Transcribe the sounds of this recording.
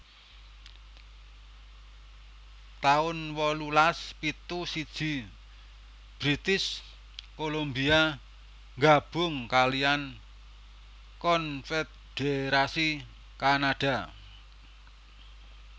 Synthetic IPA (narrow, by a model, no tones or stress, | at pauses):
t̪aʊnwɔlulaspit̪usid̥ʒ̥i̤ | b̥ɾit̪ɪs | kolombia | ŋɡab̥ʊ̤ŋkalian | kɔnfet̪̚ | ɖ̥eɾasi | kanaɖ̥a̤